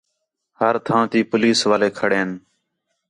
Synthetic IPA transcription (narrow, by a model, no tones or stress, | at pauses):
həɾt̪ʰãːt̪iːpʊliːsʋaːleːkʰəɽeːn